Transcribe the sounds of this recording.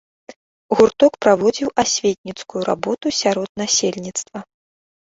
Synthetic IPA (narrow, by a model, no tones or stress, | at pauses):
ɣurt̪ɔkpɾavɔd͡zʲiwasʲvʲet̪̚ʲnʲit̪skujuɾa̰bɔt̪usʲaɾɔd̪̚nasʲelʲnʲit̪st̪vɐ